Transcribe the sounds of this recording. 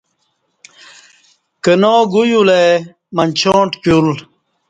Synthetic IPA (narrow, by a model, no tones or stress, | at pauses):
kənoːɡujule | mɐnt͡ɕʰõːɳʈkul